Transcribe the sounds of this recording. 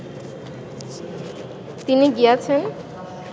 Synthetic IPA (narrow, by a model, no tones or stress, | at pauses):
t̪iniɡijat͡ɕʰen